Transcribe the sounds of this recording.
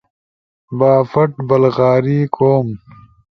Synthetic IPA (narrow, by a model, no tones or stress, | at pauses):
baːfɐʈbɐlɣaːɾiːkʰoːm